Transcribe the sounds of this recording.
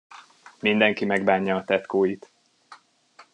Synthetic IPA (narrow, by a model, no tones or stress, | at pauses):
mind̪ɛŋkimɛɡ̚baːɲːɒːt̪ɛt̪koːjit̪